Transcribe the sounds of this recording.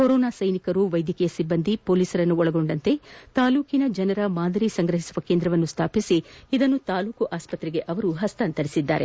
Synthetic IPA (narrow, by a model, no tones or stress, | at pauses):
koɾoːnaːsɐjnikɐɾuʋɐjd̪ʱjɐkɛjɐsibːɐnd̪ipo̞ːliːsɐɾɐnːuɔɭɐɡo̞ɳɖɐnt̪e̞t̪aːluːkinɐd͡ʒɐnɐɾɐmaːd̪ɐɾisɐŋɡɾɐɦisuʋɐkend̪ɾɐʋɐnːust̪ʰaːpisiid̪ɐnːut̪aːluːkuʔaːspɐt̪ɾeɡe̞ʔɐʋɐɾuɦɐst̪ɐːnt̪ɐɾisid̪ːa̰ːɾe